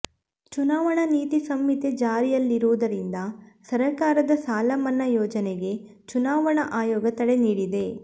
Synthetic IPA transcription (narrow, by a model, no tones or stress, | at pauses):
t͡ʃunaːʋɐɳɐniːt̪isɐmːit̪e̞d͡ʒaːɾijɐlːiɾuʋud̪ɐɾind̪ɐsɐɾɐkaːɾɐd̪ɐsaːlɐmɐnːɐjɔːd͡ʒɐneɡe̞ | t͡ʃunaːʋɐɳɐʔaːjɔːɡɐt̪ɐɽe̞niːɽid̪e̞